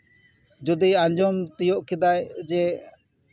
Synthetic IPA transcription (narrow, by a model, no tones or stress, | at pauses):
d͡ʒud̪iaɲd͡ʒɔmt̪ijɔʔkid̪ajd͡ʒɛ